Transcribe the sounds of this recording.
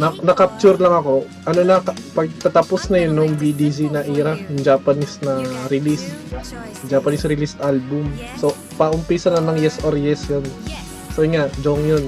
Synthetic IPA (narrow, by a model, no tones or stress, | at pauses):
nɐnɐkap̚t͡ʃʊɾlɐŋɐko̞ | ʔɐnonɐkpɐɡ̚t̪ɐt̪aposnɐjonːoŋbid̪is̬inɐʔiːɾɐjʊŋd͡ʒaːpɐnisnɐɾɪlist̪ | d͡ʒapɐnisɾɪlist̪ʔalbʊmso | pɐʔʊmpiːsɐnɐnɐŋjɛsʔoɾjɛsjon | soŋaʔd͡ʒoŋjon